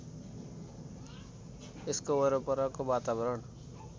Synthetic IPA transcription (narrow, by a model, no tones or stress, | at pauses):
eskobʌɾopʌɾʌkobat̪abʌɾʌɳ